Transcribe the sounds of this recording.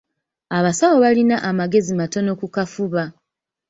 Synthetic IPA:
aβasawoβalinaʔamaɡe̞zimato̞no̞kukafuβa

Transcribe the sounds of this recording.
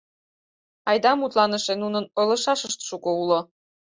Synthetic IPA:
ɑjd̪ɑmut̪lɑnəʃenunənolə̆ʃɑʃəʃt̪ʃukoulo

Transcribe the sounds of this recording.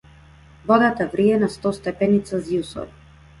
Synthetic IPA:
vɔd̪at̪avɾiɛnast̪ɔst̪ɛpɛnit̪saziusɔ̰v

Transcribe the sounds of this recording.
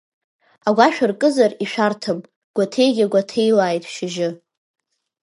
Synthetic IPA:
aɡʷaʃᶣarkʼɨzariʃᶣartʰɨm | ɡ̥ʷatʰe̞jɡʲaɡʷatʰejlaːjtʼʃɪʒɪ

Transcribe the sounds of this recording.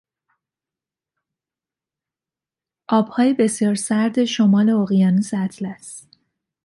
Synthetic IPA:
ʔɒːb̥hɒːjebe̞sjɒːɾsæɾd̪e̞ʃomɒːle̞oɣijɒːnisæt̪ʰlæst̪

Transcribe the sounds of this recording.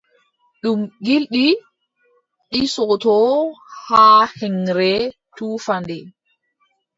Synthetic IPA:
ɗumɡilɗi | ɗisɔtɔhaːhɛŋɾɛtuːfandɛ

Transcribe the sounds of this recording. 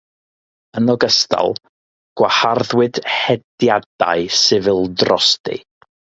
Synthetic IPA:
ənɔɡəstʰa̰lˠ | ɡ̥waharðwɪd̥hɛdjad̥a̰ɨsɨvɨlˠdrɔstḭ

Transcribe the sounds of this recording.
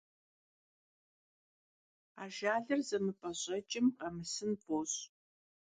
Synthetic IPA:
a̰ːʒaːɮɐrzɐmɨpʼʰɐɕʼɐt͡ʃʼɪmqɐmɨsɨnpʰoːɕ

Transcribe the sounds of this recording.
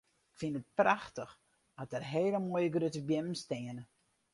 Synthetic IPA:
ɪkfinət̚praxtəx | dɔt̚dərɦeːləmojəɡrøtəbjɪnəmstɪənə

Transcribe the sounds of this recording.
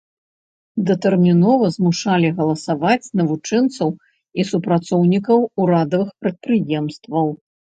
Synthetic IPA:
d̪ɐt̪ɛrmʲinɔvɐzmuʂalʲiɣɐlˠɐsavat͡sʲnɐvut͡ʂɛnt̪sɐw | isupɾat̪sɔwnʲikɐwuɾad̪ɐvɨxpɾɐt̪̚pɾɨjɛmst̪vɐw

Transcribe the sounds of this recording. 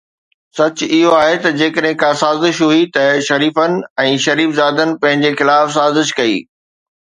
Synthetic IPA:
sɐt͡ɕʊɪɦoaːɦet̪ɐd͡ʑeːkəɗɦɪ̃kʰãsaːzɪʃɦuit̪ɐʃɐɾiːfənɪ̆ɛ̃ːʃɐɾiːfzaːd̪ənɪ̆pɐ̃ɦɪ̃ɲd͡ʑexɪlaːfsaːzɪʃkɐḭː

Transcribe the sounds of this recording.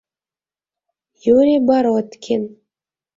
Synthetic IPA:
juɾʲibɑɾot̪kʲʰen

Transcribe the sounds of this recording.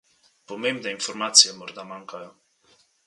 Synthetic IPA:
pomemd̪einfoɾmat̪sjemoɾd̪amaŋka

